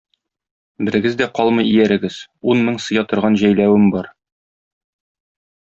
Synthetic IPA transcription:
bɘ̆ɾɘ̆ɡɘzd̪æqɒlˠmɤjijæɾɘ̆ɡɘz̥unmɤɴsɤ̆jɑt̪ŏɾʁɑnʑæjlæwɘmbɒɾ

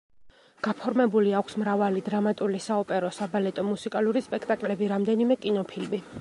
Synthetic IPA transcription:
ɡ̥apʰɔɾmɛbuliakʷʰsmɾavalid̪ɾamat̪ʼulisaɔpʼɛɾɔsabalɛt̪ʼɔmusikʼaluɾispʼɛkʰt̪ʼakʼlɛbiɾamd̪ɛnimɛkʼinɔpʰilmi

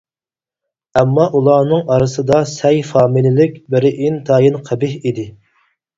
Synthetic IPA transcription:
ɛmːɑʔulˠɑːnɨŋɑɾɨsɨd̪ɑsɛjfɑːmɨlɪlɪkʲbɪɾɪʔint̪ʰɑːjɨnqʰæbɪhid̪ɪ

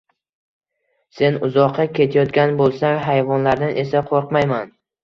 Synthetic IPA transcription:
se̞nʊzɒqʰːɑkʲʰe̞t̪ʰajɒt̪ɡʲanbolˠsaŋɦajvɒnlaɾd̪anʔe̞saqʰoɾqmajman

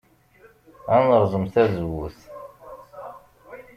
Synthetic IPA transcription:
ænəɾˤzˤəmθæzwuθ

